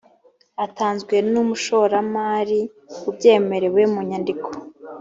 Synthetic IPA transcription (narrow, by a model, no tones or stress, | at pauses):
ataːnzɡwe̞numuʃo̞ɾamaːɾi | ub̚ɟe̞ːme̞ɾe̞wemuɲandikʰo̥